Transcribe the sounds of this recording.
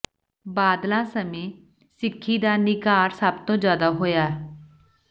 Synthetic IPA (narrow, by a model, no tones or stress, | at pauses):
baːd̪lãːsəmẽː | sɪkʰːiːd̪aːnɪkaːɾsəb̚t̪õːd͡ʒaːd̪aːɦoːjaː